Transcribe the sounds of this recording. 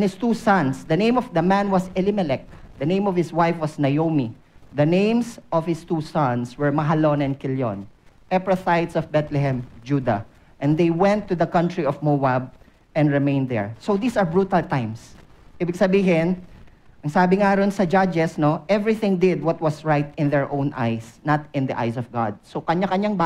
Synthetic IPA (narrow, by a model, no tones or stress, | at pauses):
nhɪst̪uːsɐ̃nsd̪ɐnẽj̃mɔvd̪ɐmæ̃nwɐsɛlɪmɛlɛk̚d̪ɐnẽj̃mɔv̥hɪswajfwɐsnɐjomi | d̪ɐnẽj̃msʔɔv̥hɪst̪uːsɐ̃nswɛɹmɐɦalonɛ̃nkɪljo̰n | ʔɛpɹɔθajt̪sɔvbɛt̪lɛɦɛ̃md͡ʒud̪a̰ | ʔɛ̃nd̪ejwɛ̃nt̪ːʊðɐkʌ̃nt̪ɹiɔvmowab̚ | ɛ̃nɹɪmẽj̃nd̪ɛ̰ɹsowd̪iːsɐɹbɹuːt̪ɐlt̪ãj̃ms | ʔibɪɡ̚sɐbiːɦɪnʔɐŋsaːbɪŋaɾonsɐd͡ʒad͡ʒɛsnoʔɛvɹɪθɪ̃ŋd̪ɪd̪̚wɔt̪̚wɐsɹajt̪̚ɪ̃nd̪ɛɹʔõw̃nʔa̰jsnɐt̪ɪ̃nd̪ɐʔa̰jsɔfɡa̰d̪̚sokɐɲakɐɲaŋba